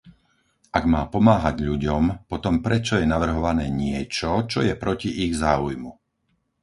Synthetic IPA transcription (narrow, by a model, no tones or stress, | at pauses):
ʔaɡmaːpɔmaːɦaɟʎuɟɔmpɔt̪ɔmpɾɛt͡ʃɔjɛnaʋr̩ɦɔʋanɛːɲɪɛt͡ʃɔt͡ʃɔjɛpɾɔciʔiɣzaːujmu